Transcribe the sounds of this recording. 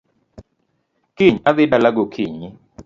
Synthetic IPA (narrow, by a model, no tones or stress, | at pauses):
kiɲaðɪdalaɡokʰiɲɪ